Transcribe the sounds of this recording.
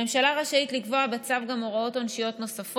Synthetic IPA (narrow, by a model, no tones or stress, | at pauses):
emʃalaʁaʃaitlikvo̞abet͡savɡamoʁao̞tonʃijo̞tno̞safo